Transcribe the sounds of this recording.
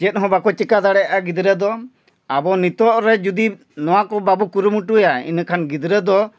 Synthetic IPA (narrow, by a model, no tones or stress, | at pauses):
d͡ʒɛt̪̚ɦɔ̃bakɔt͡ʃikad̪aɽɛjaʔaɡid̪ɾəd̪ɔ | abɔnit̪ɔʔɾɛd͡ʒud̪i | nɔwakɔbabukuɾumuʈujaḭnkʰanɡid̪ɾəd̪ɔ